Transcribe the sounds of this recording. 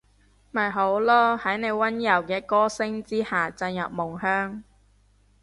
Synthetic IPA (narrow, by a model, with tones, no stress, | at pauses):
mɐ˨˩jɦo˨˥wlɔː˥hɐ˨˥jne˨˧jwɐ˥njɐ˨˩wkɛː˧kɔː˥sɪ˥ŋt͡siː˥haː˨˩t͡sɐ˧njɐ̰˨p̚mʊ˨˩ŋɦœː˥ŋ